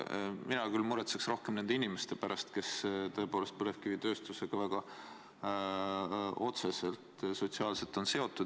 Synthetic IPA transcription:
minɑkylmuɾet̪seksro̞hke̞mne̞nd̪einimest̪e̞pæɾʔɑst̪ke̞st̪ɤ̞e̞po̞ːlest̪̚pølefkivit̪ø̞ːst̪use̞ɡ̥ɑvæɡ̥ɑ | o̞t̪se̞se̞lt̪ˑso̞t̪siɑːlse̞lt̪ːˑo̞nse̞o̞t̪ːˑud̪

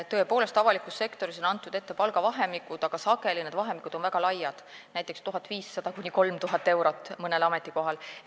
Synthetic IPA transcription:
t̪ːɤ̞epo̞ːle̞st̪ɑvɑlikːˑusse̞kt̪o̞ɾis̬o̞nɑnt̪ːˑud̪̥et̪ːe̞pɑlɡɑvɑɦe̞mikud̪̥ɑɡ̥ɑsɑke̞lined̪̥vɑɦe̞mikud̪onvæɡ̥ɑlɑjːɑd̪̥næjt̪ːˑe̞kst̪uɦɑt̪ːˑviːsːɑd̪̥ɑkunʲiko̞lmt̪uɦɑt̪ːˑe̞wɾot̪ːˑmɤne̞lɑme̞t̪ˑːiko̞ɦɑl

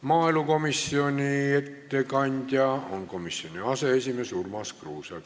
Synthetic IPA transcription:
mɑːiluko̞misːionʲiet̪ːekɑnʲd̪̥ʲjɑonko̞misːionʲiɑseesʲimesurmɑskruːsɑ

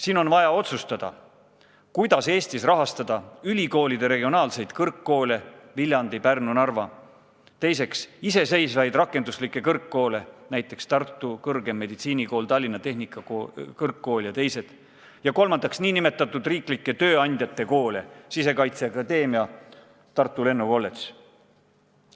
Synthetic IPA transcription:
siːno̞nvɑjɑo̞t̪sust̪ɑd̪̥ɑ̰ | kujd̪̥ɑse̞ːst̪isrɑɦɑst̪ɑd̪ɑylʲiko̞ːlid̪e̞ɾe̞ɡio̞nɑːlse̞jd̪̥kɤrkːo̞ːle̞vilʲjɑnd̪ipærnunɑrvɑ | t̪e̞jse̞ksise̞se̞jsvɑjd̪rɑkːˑend̪uslikːˑe̞kɤrkːo̞ːle̞næjt̪ːˑe̞kst̪ɑrt̪ːˑukɤrɡ̥e̞mːe̞d̪̥it̪siːniko̞ːlt̪ɑlʲːinːɑt̪e̞ɦnikːˑɑkɤrkːo̞ːljɑt̪e̞jse̞d̪̥ | jɑko̞lmɑnd̪ɑksniːnime̞t̪ːˑɑt̪ːˑud̪riːklikːˑe̞t̪ø̞ːɑnʲd̪̥ʲjɑt̪ːˑe̞ko̞ːlesise̞kɑjt̪seɑkɑd̪e̞ːmiɑ | t̪ɑrt̪ːˑule̞nːuko̞lːet̪s

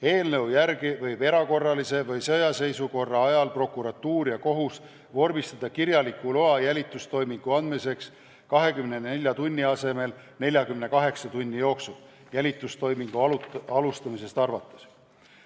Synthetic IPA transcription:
e̞ːlne̞wjærɡivɤjbe̞ɾɑko̞rːɑlise̞vɤjsɤjɑse̞jsuko̞rːɑɑjɑlpro̞kːˑuɾɑt̪ːuːɾjɑko̞ɦus | vo̞rmist̪ɑd̪̥ɑkiɾjɑlikːulo̞ɑjælʲit̪ːˑust̪o̞jmiŋɡ̥uɑnd̪̥mise̞ks | kɑɦe̞kymnenelʲjɑt̪unʲːiɑse̞me̞l | ne̞lʲjɑkymne̞kɑɦe̞ksɑt̪unʲːijo̞ːksul | jælʲit̪ːˑust̪o̞jmiŋɡ̥uɑlɑlust̪ɑmis̬e̞st̪ɑrvɑt̪ːˑɑ̥s

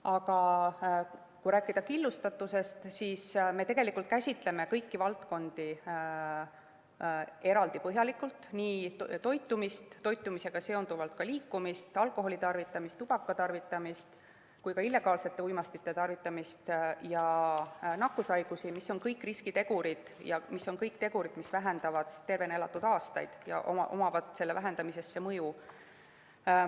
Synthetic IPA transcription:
ɑɡɑ | kujɾæːkːˑid̪̥ɑkilːust̪ɑt̪ːˑuse̞st̪siːsme̞t̪e̞ɡe̞likːˑult̪̚kæsʲit̪ˑle̞me̞kɤjkːivɑlt̪ko̞nd̪̥i | e̞ɾɑld̪ipɤɦjɑlikːult̪niːt̪o̞jt̪ːˑumist̪ːo̞jt̪ːˑumise̞ɡ̥ɑse̞o̞nd̪uvɑlt̪̚kɑliːkːumist̪ɑlko̞ɦo̞lit̪ɑrvit̪ːˑɑmist̪ub̥ɑkːˑɑt̪ɑrvit̪ːˑɑmist̪ | kujkɑilːe̞ɡ̥ɑːlse̞t̪ːˑe̞ujmɑst̪it̪ːˑe̞t̪ɑrvit̪ːˑɑmist̪jɑ | nɑkːusɑjɡ̥usimisːo̞nkɤjkːriskit̪e̞ɡ̥uɾid̪̥ | jɑmisːo̞nkɤjk̚t̪e̞ɡ̥uɾid̪̥misvæɦe̞nd̪̥ɑvɑd̪̥si̥st̪e̞rve̞nelɑt̪ːud̪ɑːst̪ɑ̰jd̪̥jɑ̰ʔo̰mɑ̰ʔo̰mɑvɑt̪ˑse̞lːevæɦe̞nd̪̥ɑmise̞sːemɤju

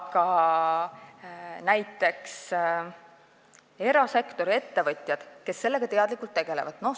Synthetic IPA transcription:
kɑ | næjt̪ːˑe̞ks | e̞ɾɑse̞kt̪o̞ɾie̞t̪ːe̞vɤt̪ʲˑjɑd̪̥ke̞sːe̞lːeɡ̥ɑt̪e̞ɑd̪̥likːˑult̪ːe̞ɡ̥e̞levɑd̪̥no

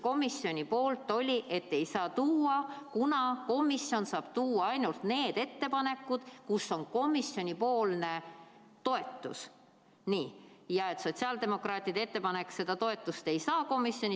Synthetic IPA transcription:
ko̞misjo̞nʲipo̞ːlt̪ːˑo̞lʲiʔe̞t̪ːe̞jsɑːt̪uːɑkunɑko̞misjo̞nsɑːb̥t̪uːwɑɑjnult̪ne̞ːd̪̥e̞t̪ːe̞pɑne̞kːˑud̪̥kusːo̞nko̞misjo̞nʲipo̞ːlne̞ | t̪o̞e̞t̪ːˑṵs | niː | jɑe̞t̪ˑso̞t̪siɑld̪e̞mo̞krɑːt̪ʲˑid̪ee̞t̪ːepɑne̞kːse̞d̪ɑt̪o̞e̞t̪ːˑust̪e̞jsɑːko̞misjo̞nʲi

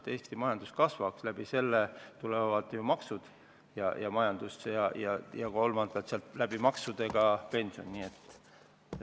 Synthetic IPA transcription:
e̞ːst̪imɑjɑnd̪̥uskɑsvɑkslæb̥ise̞lːet̪ulevɑd̪̥jumɑksud̪̥ | jɑjɑmɑjɑnd̪̥usjɑjɑjɑko̞lmɑnd̪̥ɑt̪seɑlt̪læb̥imɑksud̪̥e̞ɡ̥ɑpe̞nʲsio̞̰nːiːet̪ːˑ

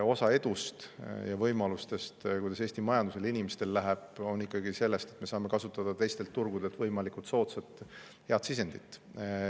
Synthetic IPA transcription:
o̞sɑe̞d̪̥ust̪jɑvɤjmɑlust̪e̞st̪kujd̪̥ɑse̞ːst̪imɑjɑnd̪use̞linʲimest̪e̞lːæɦeb̥o̞nːikˑːɑɡise̞lːe̞st̪e̞t̪me̞sɑːme̞kɑsut̪ːˑɑd̪̥ɑt̪e̞jst̪e̞lt̪ːurɡ̥ud̪e̞lt̪vɤjmɑlikut̪so̞ːt̪set̪ | he̞ɑd̪sis̬e̞nd̪it̪ːˑ

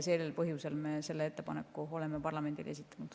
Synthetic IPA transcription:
se̞ːlelpɤɦjuse̞lmeːse̞lːeet̪ːe̞pɑne̞̰kːuo̞le̞mepɑrlɑme̞nd̪̥ḭle̞sit̪ːˑɑ̥nud̪̥

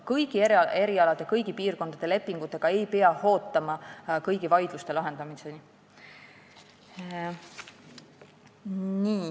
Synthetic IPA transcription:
kɤjɡ̥ieɾe̞ɾiɑlɑd̪̥ekɤjɡ̥ipiːrko̞nd̪̥ɑd̪̥e̞le̞pːˑiŋɡ̥ut̪ːˑe̞ɡ̥ɑe̞jpe̞ɑho̞ːt̪ːˑɑmɑkɤjɡivɑjd̪̥lust̪e̞lɑɦe̞nd̪ɑmiseni | niː

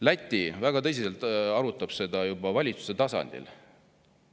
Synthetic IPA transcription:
læt̪ʲːˑivæɡɑt̪ɤ̞s̬iselt̪ɑɾut̪ːˑɑb̥se̞d̪ɑjubɑvɑlʲit̪su̥se̞t̪ɑsɑ̰nʲd̪̥ḭl

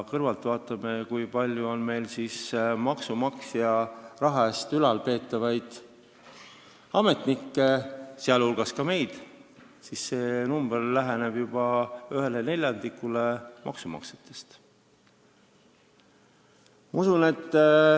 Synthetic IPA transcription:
kɤrvɑlt̪vɑːt̪ːˑɑmekujpɑlʲjuo̞nme̞jlsiːsmɑksumɑksjɑrɑɦɑest̪ylɑlpe̞ːt̪ːˑɑvɑjd̪̥ | ɑme̞t̪nikːeseɑlulɡ̥ɑskɑme̞jd̪̥ | sisse̞ːnumb̥erlæɦeneb̥jub̥ɑyɦe̞lene̞lʲjɑnd̪ikːule̞mɑ̰ksumɑ̰kse̥t̪ːˑe̞̥st̪ | mɑusune̞t̪ː

